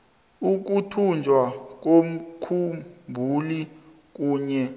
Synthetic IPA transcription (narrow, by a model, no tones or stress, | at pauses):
uk̬utʰund͡ʒʱwak̬om̩kʰumbʱuli | k̬uːɲɛ